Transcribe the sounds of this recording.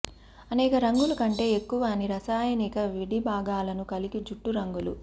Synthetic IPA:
ɐneːkɐɾɐŋɡulɐkɐɳʈe̞ːekːuʋɐniɾɐsaːjɐnikɐʋiɽibʱaːɡaːlɐnukɐliɡid͡ʒuʈːuɾɐŋɡulṵ

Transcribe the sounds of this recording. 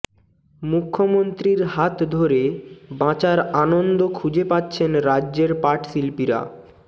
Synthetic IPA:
mukʰːomont̪ɾiɾɦat̪d̪ʱoɾebãt͡ɕaɾanond̪okʰud͡ʑepatːɕʰenɾadːd͡ʑeɾpaʈsilpiɾa̰

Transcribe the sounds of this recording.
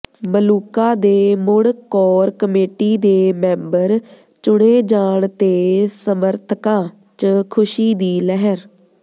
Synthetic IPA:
məluːkaːd̪eːmʊɽkɔːɾkəmeːʈiːd̪eːmɛ̃ːmbəɾ | t͡ʃʊɽeːd͡ʒaːɳt̪eːsəməɾt̪ʰkãː | t͡ʃəkʰʊʃiːd̪iːlɛɦəɾ

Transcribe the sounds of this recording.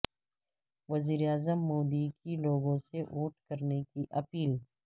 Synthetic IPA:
ʋɐziːɾeaːzəmːoːd̪ikiloːɡõseʔuːʈkɐɾnekiʔɐpiːl

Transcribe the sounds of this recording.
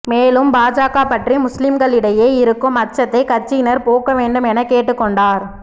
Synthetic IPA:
meːlɯmbaːd͡ʒaːkaːpɐʈrimʊslɪmɡɐɭɪɽɐjeːɪɾɯkːɯmɐt͡ʃːɐt̪ːɐɪkɐt͡ʃɪnɐɾpoːkɐʋeːɳɖɯmɛnɐkːeːʈːɯkːɔɳɖaːɾ

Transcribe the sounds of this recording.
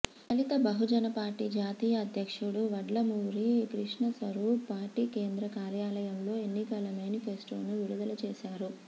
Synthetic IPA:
ɐlit̪ɐbɐɦud͡ʒɐnɐpaːɾʈiːd͡ʒaːt̪iːjɐːd̪ʱjɐkʂuɽuʋɐɖlɐmuːɾikɾiʂɳɐsɐɾuːpaːɾʈiːkeːnd̪ɾɐkaːɾjaːlɐjɐmlo̞ːe̞nːikɐlɐmaːnipʰesʈoːnuʋiɽud̪ɐlɐt͡ʃeːʃaːɾu

